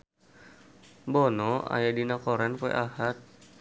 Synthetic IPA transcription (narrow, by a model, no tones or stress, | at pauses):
bɔnɔa̰jadinakɔɾɛnkoɛ̰ʔahat̪̚